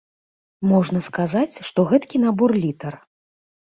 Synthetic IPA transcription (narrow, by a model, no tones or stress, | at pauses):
mɔʐnɐskazat͡sʲʂt̪ɔɣɛt̪kʲin̪abɔrlʲit̪ɐr